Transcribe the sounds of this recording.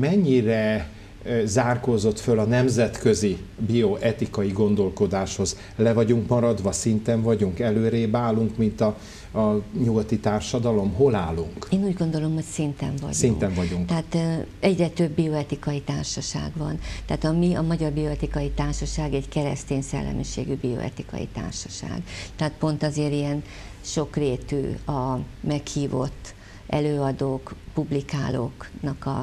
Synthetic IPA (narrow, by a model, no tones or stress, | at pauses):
mɛɲːirɛ | zaːrkozo̞t̪følɒnɛmzɛt̪kø̞zibioʔɛt̪ikɒjiɡo̞nd̪o̞lko̞d̪aːʃho̞z | lɛvɒɟuŋkmɒɾɒd̪ʋɒsint̪ɛɱvɒɟuŋkɛløːɾeːbaːlːuŋkmint̪ɒ | ɲuɡɒt̪it̪aːrʃɒd̪ɒlo̞mɦo̞laːlːuŋkeːnuːɟɡo̞nd̪o̞lo̞mho̞csint̪ɛ̰ɱvɒ̰ɟsinŋk̪ɛɱvɒduŋk̪ɛaːt̪ɛɟrɛt̪øbːio̞ɛt̪ikɒjit̪aːrʃɒʃa̰ːɡvɒnt̪aːt̪ɒmiɒmɒɟɒrbio̞ɛt̪ikɒjit̪aːrʃɒʃaːɡɛɟkɛɾɛ̰st̪eːɲsɛ̰lːɛ̰mʔiʃḛːɡybio̞̰ɛ̰t̪ikɒ̰jḭt̪a̰ːrʃɒ̥ʃa̰ːɡt̪ɛɦaːt̪̚po̞nt̪ɒzeːɾiɛn | ʃo̞kreːt̪y̰ːɒmɛkhiːvo̞̰t̪ː | ʔɛ̰løːɒd̪oːkpublika̰ːlo̰ːknɒkɒ̰